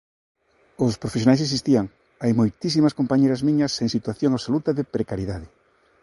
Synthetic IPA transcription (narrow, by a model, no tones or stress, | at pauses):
ʊspɾofes̬jonajses̬ist̪iaŋ | ajmojt̪is̬imɐskompaɲejɾɐzmiɲɐseŋsit̪waθjoŋaβsolut̪ɐðɪpɾekaɾjeðaðɪ